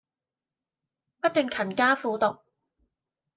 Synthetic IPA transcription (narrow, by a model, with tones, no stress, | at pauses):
pɐ˥t̚t̪ɵ˨ŋkʰɐ˨˩nkaː˥fuː˧t̪ʊ˨k̚